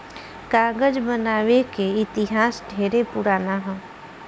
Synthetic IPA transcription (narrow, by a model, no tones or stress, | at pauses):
kaːɡəd͡ʒbənaːʋekeɪt̪ɪɦaːsʈʰeːɾepʊɾaːnaɦɛ̃ː